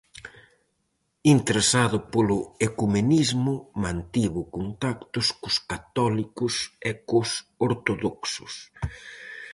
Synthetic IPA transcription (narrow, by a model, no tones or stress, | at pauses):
int̪eɾesaðʊpolʊekumenizmʊmãnt̪iβʊkont̪akt̪ʊskʊskat̪ɔlikʊsɛkʊsoɾt̪oðoksʊ̥s